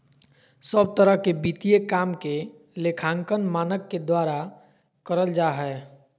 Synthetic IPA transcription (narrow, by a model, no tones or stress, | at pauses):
səb̚t̪əɾəɦkebit̪ijekaːmke | lekʰãːŋkənmaːnəkːed̪waːɾa | kəɾəld͡ʒaːɦɛ